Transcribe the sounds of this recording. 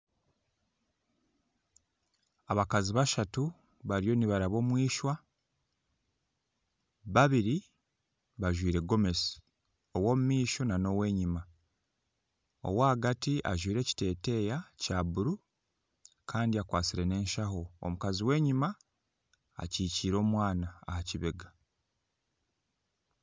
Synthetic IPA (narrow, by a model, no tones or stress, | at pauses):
aβakaziβaʃatu | βaɾijo̞niβaɾaβo̞ːmwiːʃwa | βaβiɾi | βaʒwiːɾe̞ɡo̞me̞si̥ | o̞wo̞ːmumiːʃo̞nano̞we̞ːɲima | o̞̰waːɡatiʔa̰ʒwiːɾe̞ːci̥te̞ːte̞jacaːβuɾu | kʰaːndiakwaːsiɾe̞ne̞ːnʃaho̞o̰mukaziwe̞ːɲima | a̰ciːciːɾo̞ːmwaːna̰ːhaciβeɡa